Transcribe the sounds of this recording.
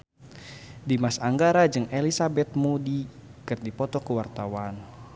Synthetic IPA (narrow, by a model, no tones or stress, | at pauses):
dimasaŋɡaɾad͡ʒɨŋelisabɛt̪̚mudikɨrdipɔt̪ɔkəwart̪awan